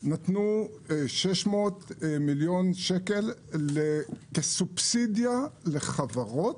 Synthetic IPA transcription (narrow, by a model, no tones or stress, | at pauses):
nat̪nu | ʃeʃmo̞ːt̪miljonʃekelːekesubsid̪jaleχavaʁo̞t̪